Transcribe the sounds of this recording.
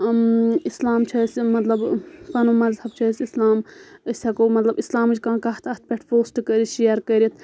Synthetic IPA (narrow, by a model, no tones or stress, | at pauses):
islaːmt͡ʃʰɐsʲmɐt̪lɐbpɐnomɐzhɐb̚t͡ʃʰɐsʲislaːməsʲsɐkoːmɐt̪lɐbislaːmd͡ʒkãːkɐɦt̪ʰɐt̪̚ʰpʲeʈʰpʰoːsʈkəɾiʃijɐɾkəɾit̪ʰ